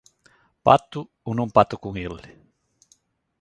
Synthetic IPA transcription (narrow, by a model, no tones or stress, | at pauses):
pa̰t̪ʊ | onõŋpat̪ukuŋelɪ